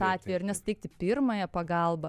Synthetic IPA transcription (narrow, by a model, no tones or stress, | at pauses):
ɑːt̪ʲʋʲɛːjɛɪɐɾnʲɛsʊ̥t̪ʲɛɪk̚t̪ʲɪpʲɪrmɐjɛpɐɡɐlˠbɐ